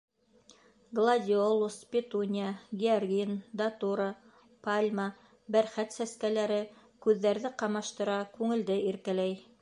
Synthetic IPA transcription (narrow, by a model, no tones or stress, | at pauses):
ɡlˠadʲɪolˠuspʲɪt̪unʲɪjaɡʲɪorɡʲind̪at̪uɾɑ | palʲma | bæɾχæt̪sæskælæɾɘkʉðːæɾðɘqɑmɑʃt̪ɤ̆ɾɑkʉŋɘ̆ld̪ɘiɾkælæj